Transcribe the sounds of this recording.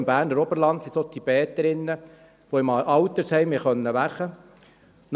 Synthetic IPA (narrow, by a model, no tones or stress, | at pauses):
mbæːrnəɾɔbəɾlɑnt̪sisot̪ʰib̥ɛːt̪əɾɪnːə | ʋoɪmɑwt̪əɾshɛjmiχœnːəʋæɾχə | n